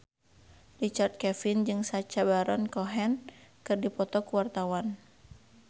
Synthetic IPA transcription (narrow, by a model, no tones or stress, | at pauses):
rit͡ʃart̪̚kɛfind͡ʒɨŋsat͡ʃabaɾɔnkɔɦɛnkɨrdipɔt̪ɔkuwart̪awan